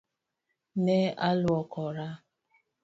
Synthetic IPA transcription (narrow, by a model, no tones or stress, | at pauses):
nealwɔkɔɾa